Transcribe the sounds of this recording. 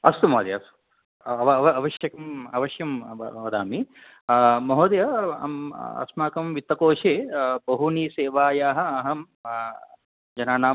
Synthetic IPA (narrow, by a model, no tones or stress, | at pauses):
ɐst̪umɐɦod̪jɐ̰su̥ | ɐʋɐʋɐɐʋɐʃjɐkɐmɐ̰ʋɐʃjɐm̰ʋɐd̪aːmi | mɐɦoːd̪jɐɐ̰mɐ̰smaːkɐmʋit̪ːɐkoːʂeːbɐɦuniːseːʋaːjaːɦɐ̆ɐɦɐm | d͡ʒɐnaːnaː